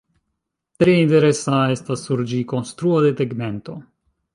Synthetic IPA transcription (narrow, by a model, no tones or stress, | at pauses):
t̪ɾeinte̞ɾe̞sae̞stasːuɾd͡ʒiko̞nst̪ɾuad̪e̞teɡme̞nt̪o̞